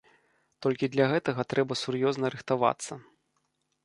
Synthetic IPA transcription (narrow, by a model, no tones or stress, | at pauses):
t̪ɔlʲkʲid̪lʲɐɣɛt̪ɐɣɐt̪ɾɛbɐsurjɔznɐɾɨxt̪ava̰t̪sːɐ